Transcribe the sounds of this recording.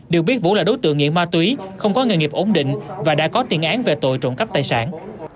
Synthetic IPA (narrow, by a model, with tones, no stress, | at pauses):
ɗɨ˨˩ək̚ɓi˦˥ət̚vṵ˧˥laː˨˩ɗo˨˦jt̪ɨ̰˧˨əŋːḭ˧˨ənmaː˧t̪wi˨˦xə˧wŋ͡mkɔ˨˦ŋə˨˩nŋi˨˩p̚ʔo˨˦ŋ͡mɗḭ̈˧˨ŋ̟vaː˨˩ɗa̰ː˧˥kɔ˨˦t̪i˨˩ənʔaː˨˦nve˨˩t̪o̰˧˨jt͡ɕo̰˧˨nkə˦˥p̚t̪aː˧˩jsaː˧˩n